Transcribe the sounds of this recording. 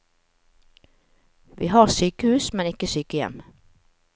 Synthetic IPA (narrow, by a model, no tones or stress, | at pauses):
ʋʔḭːhɑːʁsyːkəhʉːsmɛnɪkəsyːkəjɛ̰m